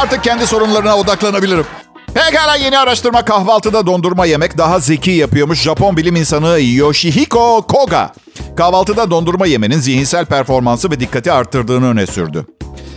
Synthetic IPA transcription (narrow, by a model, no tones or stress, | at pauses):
aɾt̪ɯk̚cʰɛnd̪iso̞ɾunlˠaɾɯnao̞d̪aklˠanabilʲiɾim | hɛcaːlʲaje̞niaɾaʃt̪ɯɾmakahvalˠt̪ɯd̪ad̪o̞nd̪uɾmaje̞mɛcd̪aɦaze̞cʰijapɯjo̞ɾmuʃʒapo̞nbilʲiminsanɯijijoʃiɦiko̞kʰo̞ɡa̰ | kʰahvalˠt̪ɯd̪ad̪o̞nd̪uɾmaje̞me̞ninziɦinsælʲpæɾfo̞ɾmansɯvɛd̪ikʰːat̪ʰiaɾt̪ʰːɯɾd̪ɯːnɯø̞nɛsy̰ɾd̪y̰